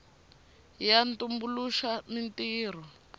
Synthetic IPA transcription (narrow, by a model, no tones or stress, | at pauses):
jantumbuluʃamintiːr̤ɔ